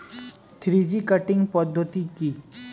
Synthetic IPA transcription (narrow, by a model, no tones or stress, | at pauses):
t̪ʰɾid͡ʒikəʈɪ̃ŋɡpɐd̪ʱːət̪iki